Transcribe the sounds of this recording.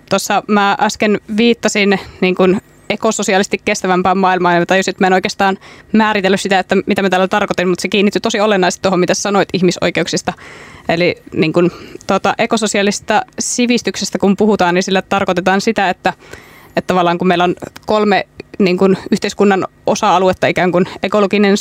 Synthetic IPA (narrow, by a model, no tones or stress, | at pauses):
t̪osːɑmæːʔɑskenʋiːt̪ːɑsinniːŋkun | ekososiɑlist̪ikkːest̪æʋæmpæːmmɑːilmɑɑnmɑt̪ɑjusiet̪mæenoikeːst̪ɑːnmæːɾit̪elːysit̪æet̪ːæmit̪æmæt̪æːlæt̪ɑrkot̪inmmut̪sekiːnːit̪ːyt̪osiolenːɑˑist̪it̪ːoɦomit̪æssɑno̞it̪içmiso̰ikeuksist̪ɑeliniːŋkunt̪ot̪ɑʔekososiɑlist̪ɑsiʋist̪yksest̪ækumpuhut̪ɑːninsilːæt̪ɑrkot̪et̪ɑːnsit̪æet̪ːæ | et̪t̪ɑʋɑlːˑɑːŋkummeilːonkolmeniːŋkunyht̪eiskunːɑnʔosɑɑluet̪ːɑikæːŋkunekoloɡinen